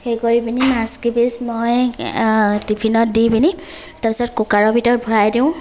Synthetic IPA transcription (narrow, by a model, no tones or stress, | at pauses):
hekɔɹibinimasɡibismɔj | tipʰinɔt̚dibini | tapisɔtkukaɹɔbʱitɔt̚bʱɔɹajdiʊ̃